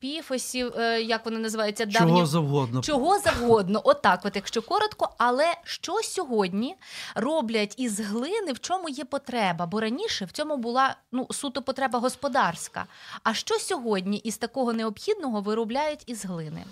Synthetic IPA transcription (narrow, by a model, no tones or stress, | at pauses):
pʲifɔsʲiwjɐkʋɔnɪnɐzɪʋɑjʊt͡sʲːɐd̪t͡ʃ̪ːɑɔɦʲizɐwɦɔd̪nt͡ʃɔɦɔzɐwɦɔd̪nɔʔɔt̪ɑkʋɔt̪jɐkʃt͡ʃɔkɔɾɔt̪kɔɐlˠɛʃt͡ʃɔsʲɔɦɔdʲnʲirɔblʲɐtʲizɦlˠɪnɪwt͡ʃɔmʊjɛpɔt̪ɾɛbɐbɔɾɐnʲiʃɛwt͡sʲɔmʊbʊlˠɑnusut̪ʊpɔt̪ɾɛbɐɦɔspɔd̪ɑrskɐ̰ɐʃt͡ʃɔsʲɔɦɔdʲnʲiʔist̪ɐkɔɦɔneɔpxʲid̪̚nɔɦɔʋɪɾʊblʲajʊtʲizɦlˠɪnɪ̰